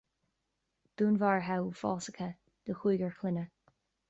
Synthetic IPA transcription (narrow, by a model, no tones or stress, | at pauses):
d̪̥uːnvaɹɦawfɔ̰ːsəkʰə | d̪̥əxuːɡəɹxʰlɪnə